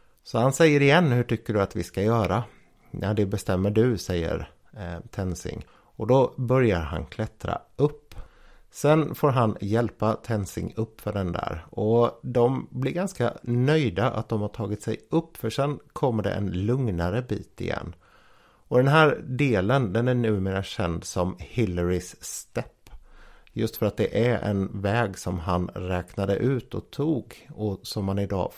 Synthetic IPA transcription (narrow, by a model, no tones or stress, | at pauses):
sɔhansɛjːəɾɪjɛnːhɵʈʏkːəɖɵat̪vɪskajœːɾa | nad̪ɛbɛst̪ɛmːəɖɵsɛjːə̰ɾ | t̪ʰɛnsɪ̰ŋ | ɔd̪ɔbœɾjaɾɦa̰nkʰlɛt̪ɾa̰ | ɵpː | sɛnfoːɾɦanjɛlpat̪ʰɛnsɪ̰ŋɵpːfœɖɛnd̪æ̰ːɾɔd̪ɔmblɪɾɡanska̰nœjd̪aʔa̰t̪̚d̪ɔmhaʈʰɑːɡɪt̪sɛjɵpːfœʂɛnkʰɔmːəɖɛ̰ʔɛ̰nlɵŋnaɾəbḭːt̪ɪ̰jɛ̰nː | ɔd̪ɛnɦæːɾɖ̪eːlənd̪ɛnæɳʉ̟ːmeːɾaɕɛnd̪sɔmhɪlːəɾɪsːt̪ɛpːjɵst̪fœɾat̪̚d̪ɛʔæɾɛ̰nvɛːɡsɔmɦanɾɛːknad̪ə̰ʔʉ̟ːt̪ɔ̰t̪ʰuːɡɔsɔmːanɪd̪ɑ̰ː